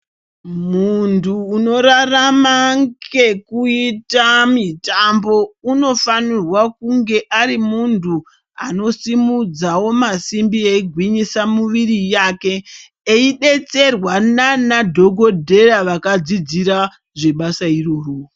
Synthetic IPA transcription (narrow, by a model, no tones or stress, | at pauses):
muntuːno̞ɾaramaŋɡe̞kuitamitambo̞uno̞fanirwak̚uŋɡe̞ʔaɾimuntʰu | a̰no̞simud͡zawo̞masimbieiɡʱwiɲisamuʋirijake̞ː | iɗe̞t͡se̞rwananadʱo̞ɡʱo̞dʱe̞ɾaʋakad͡zid͡ziɾa | ʐe̞ɓasairoruː